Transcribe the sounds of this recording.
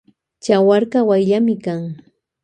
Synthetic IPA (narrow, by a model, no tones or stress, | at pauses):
t͡ʃawaɾkɑwajʎamɪkaŋ